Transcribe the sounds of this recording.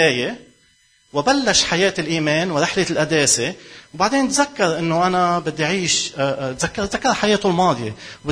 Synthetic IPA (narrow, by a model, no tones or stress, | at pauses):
eːje | wɪbalːaʃħajeːt̪ɪlʔiːmeːnwɪɾɪħlelʔad̪eːsewbaʕd̪eːnt̪zakːɑɾˤʔɪnːoʔanabɪd̪ːiʕiːʃt̪zakːɑɾt̪zakːɑɾˤħajeːt̪ʊlmɑːd̪ˤjḛwb